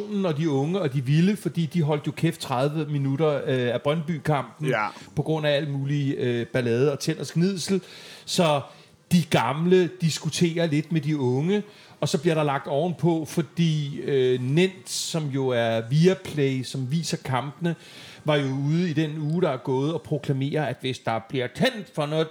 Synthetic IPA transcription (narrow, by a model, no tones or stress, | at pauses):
o̰ːnn̩ɒ̽d̥iɔ̽ŋəɒ̽d̥iʋiləfɒ̽d̥ḭːd̥iɦɒ̽l̰d̥jo̝kʰeft͡sʰʁað̞ˠʋəminuɾɐæb̥ʁɶnb̥yːkʰɑ̈m̰b̥n̩pʰɒ̽ɡ̥ʁɔ̽n̰ææl̰əmuːliøb̥ælɛːð̞ˠɒ̽t͡sʰen̰ɐsɡ̥nið̰ˠsl̩sɒ̽ | d̥iɡ̥ɑ̈mləd̥isɡ̥ut͡sʰe̝̰ːɐle̝d̥̚med̥iɔ̽ŋə | ɒ̽sɒ̽b̥liɐɾ̥ɑ̈lɑ̈ɡ̥̚d̥ɒʊ̰n̩pʰɒ̽fɒ̽d̥ḭːønen̰d̥sɒ̽mjo̝æɐʋiːæpʰleɪsɒ̽mʋḭːsɐkʰɑ̈mb̥ənə | ʋɑ̈jo̝uːð̞ˠid̥enuːɾ̥ɑ̈æɐɡ̥ɔ̽ːð̞̩ˠɒ̽pʰʁo̝kʰlæme̝̰ːɐæd̥ʋe̝sd̥ɑ̈b̥liɐ̰t͡sʰen̰d̥fɒ̽nɔ̽